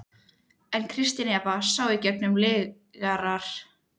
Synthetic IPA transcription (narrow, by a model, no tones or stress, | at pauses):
ɛnkʰɾɪst̪ɪnjapasaːwɪcɛk̚nʏmlɪːɣ | ɣaɾaɾ̥